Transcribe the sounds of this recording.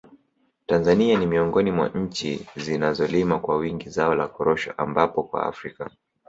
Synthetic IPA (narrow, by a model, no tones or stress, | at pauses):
tanzanianimiɔŋɡɔnimwa̰ɲ̩t͡ʃḭzinazɔlimakwawiŋɡizaɔlakɔɾɔʃɔ̰ʔambapɔkwa̰a̰fɾika